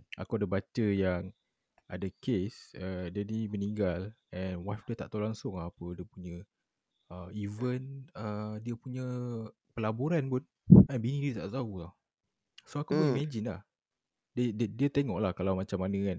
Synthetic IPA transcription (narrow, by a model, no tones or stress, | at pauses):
a̰kudabat͡ʃəjaŋ | ʔa̰dəkesədadiməniŋɡalɛnwafdiət̪a̰ʔt̪olaŋsʊŋapədiəpuɲə̃ | əivənədiəpuɲə̃ | pəlaboɾanpʊn | anbinĩdit̪a̰ʔsaut̪a | soakupuɲəmad͡ʒinla̰h | deddiət̪eŋɔʔlahkalawmãt͡ʃamːanə̃kan